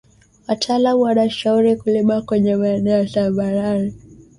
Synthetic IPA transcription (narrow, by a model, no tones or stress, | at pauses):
watʰaːlamuwanaʃauɾikulimakwɛɲɛmaɛnɛɔtambaɾaɾi